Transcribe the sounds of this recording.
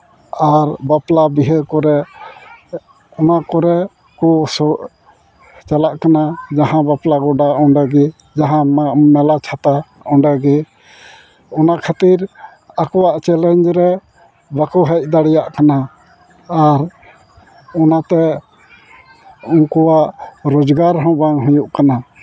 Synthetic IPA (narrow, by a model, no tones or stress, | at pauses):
aɾbaplabiɦəkɔɾɛ | ɔnakɔɾɛ | kɔsɔ | t͡ʃalaʔkanad͡ʒaɦãbaplaɡɔɖaɔɳɖaɡɛ | d͡ʒaɦãmmɛlat͡ʃʰat̪a | ɔɳɖaɡɛ | ɔnaʔkʰat̪iɾ | akɔwaʔt͡ʃɛlɛnd͡ʒɾɛ | bakɔɦɛc̚ˀd̪aɽɛjaʔkanaː | ɾ | ɔnat̪ɛ | ɔŋkɔwaʔɾɔd͡ʒɡaɾɦɔ̃baŋɦujuʔkana